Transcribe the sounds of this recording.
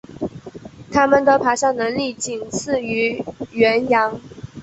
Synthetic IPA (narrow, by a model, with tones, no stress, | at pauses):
t̪ʰa˥mə˨nd̪ə˨˩pʰa˧˥ʂɑ˥˩nɤ˧˥ŋli˥˩t͡ɕi˨˩nt͡sʰɹ̩˥˩y˧˥ɥɛ˧˥njɑ˧˥ŋ